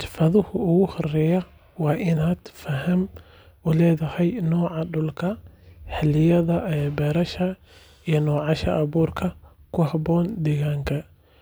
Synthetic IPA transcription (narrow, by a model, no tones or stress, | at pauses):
t̪fɐðʊhʊʊɣʊhʊrɛjɐ | wɑːʔɪnaːd̪̥fɐɦɐm | ʔʊlɛːðɐhɛjnɔːʕɑɖʊlkʰɐħɪlɪjɐðɐʔɛbɛːɾɐʃɐ | ijɔnɔːʕɑʃɐʔɐβuːrkʰɐ | kʰʊɦɐβɔːnd̪ɛɣaːŋkʰɐ